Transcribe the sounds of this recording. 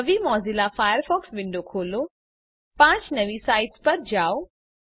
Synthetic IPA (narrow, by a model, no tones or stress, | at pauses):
ʋimɔːzilafaːjəɾfɔːksʋɪ̃ɳɖokʰoːlo | pãːt͡ʃnɐʋisaːɪɖspɐɾd͡ʒaːo